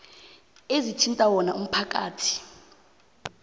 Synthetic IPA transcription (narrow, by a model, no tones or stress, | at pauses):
ezit͡ʃʰintʼawɔnaum̩pʰakʼaːtʰi̥